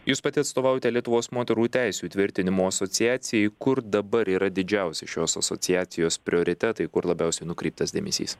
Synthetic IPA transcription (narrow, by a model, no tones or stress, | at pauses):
juːspɐt̪ʲɪɐt̪st̪oːʋɑːjot̪ʲɛlʲiɛt̪ʊʋoːsmoːt̪ʲɛɾuːt̪ʲæˑɪsʲuːt̪ʲʋʲɪɾʲt̪ʲɪnʲɪmoːɐsɔt̪sʲɪjæːt̪sʲɪjɛɪkʊɾd̪ɐbɐɾiːɾɐd̪ʲɪd͡ʒʲæˑʊsʲɪʃʲoːsɐ̰sɔ̰tsʲɪjæːt̪sʲɪjoːspʲɾʲɪoːɾʲɪt̪ʲɛt̪ɐɪkʊɾlˠɐbʲæˑʊsʲɛɪnʊkɾʲɛɪp̚t̪ɐsd̪ʲeːmʲɛ̰sʲḭːs